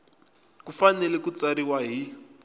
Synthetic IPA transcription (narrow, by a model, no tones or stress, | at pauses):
kufanɛlɛkut͡saɾiwaɦi